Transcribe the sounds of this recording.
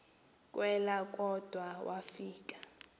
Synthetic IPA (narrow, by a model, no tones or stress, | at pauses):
kʼwɛlak̬ʼɔd̥ʱwawʔafiːkʼḁ